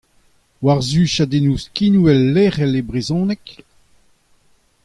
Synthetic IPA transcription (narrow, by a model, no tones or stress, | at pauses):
waʁzyːʃad̪enuːskinuɛlːeːʁɛlebʁezɔ̃ːnɛk